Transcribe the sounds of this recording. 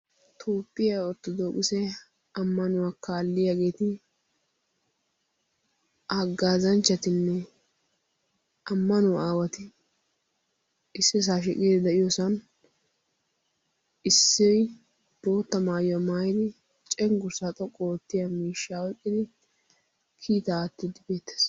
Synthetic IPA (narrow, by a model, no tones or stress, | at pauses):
t̪ʰoːpʼːɪjaɔt̪ːɔd̪oːkʼɪsɛ | ɐmːɐnʊwakaːlːɪjaːɡe̞ːt̪ɪ | ʔaɡaːzɐnt͡ʃːɐt̪ɪnːɛ | ɐmːɐnʊwaaːwɐt̪ɪ | ɪsːɪs̬aːʃ̬ɛkʼiːd̪ɪd̪ɐʔɪjɔsɐn | ɪsːɪ | b̥o̞ːt̪ːɐmaːjɐmaːjɪd̪ɪ | t͡ʃʼɛŋɡʊɾsɐt̪ʼɔkʼːoːt̪ːɪjamiːʃːaɔjkʼːɪd̪ɪ | kʰiːt̪ɐːt̪ːɪd̪ɪbe̞ːt̪ːe̥s